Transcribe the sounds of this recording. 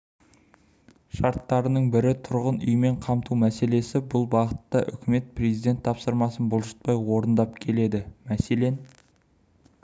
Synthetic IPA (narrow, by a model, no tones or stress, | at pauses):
ʃɑɾt̪ːɑɾənəɴbɪɾɪt̪ʰʊɾʁənʏ̰jme̞ɴqʰɑmt̪ʰumæse̞le̞sɪbʊlˠbɑʁət̪ːɑʔʏ̰kʲʰɪme̞t̪̚pʰre̞zijd̪e̞t̪ʰːɑpsəɾmɑsənbʊlˠʒə̥t̪̚pɑjwo̞ɾənd̪ɑp̚kʲʰe̞le̞d̪ɪmæse̞le̞n